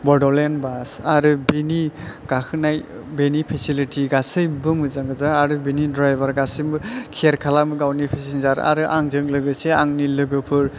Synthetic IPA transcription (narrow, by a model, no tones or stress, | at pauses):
bɔɾdɔlenbasaɾɯbiniɡ̥akʰɯnaj | benipʰesilitʰiɡasɯjbɯmɯzaŋɡɯzaaɾɯbinidɾajbaɾɡasɯjmɯkʰeɾkʰalamɯɡawnipʰesinzaɾa̰ɾɯʔa̰ŋzɯŋlɯɡɯseaŋnilɯɡɯpʰɯɾ